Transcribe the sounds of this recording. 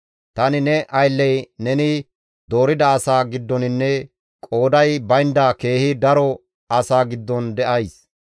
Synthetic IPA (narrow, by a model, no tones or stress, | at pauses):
t̪ɐnɪnɛʔɐjlːɛjnɛnɪ | d̪o̞ːɾɪd̪ɐːsaːɡɪd̪ːɔnɪnːɛ | kʼo̞ːd̪ɐjbɐjnd̪aːke̞ːhɪd̪ɐɾɔ | ɐsaːɡɪd̪ːɔnd̪ɛʔɐjs